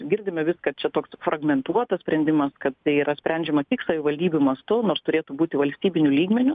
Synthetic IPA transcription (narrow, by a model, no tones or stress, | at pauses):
ɡʲɪrʲd̪ʲɪmʲɛʋʲɪskɐt̪t͡ʃʲɛt̪oːksfrɐɡmʲɛnt̪uɔt̪ɐsʲpʲɾʲɛnʲd̪ʲɪmɐskɐt̪t̪ɐɪiːɾɐsʲpʲɾʲænʲd͡ʒʲɛmɐkʲɪksɐʋʲɪʋɐlʲd̪ʲiːbʲʊmɐst̪ʊnoːɾst̪ʊɾʲeːt̪ubuːt̪ʲɪʋɐlʲsʲt̪ʲiːbʲɪnʲʊlʲiːɡmʲɛnʲʊ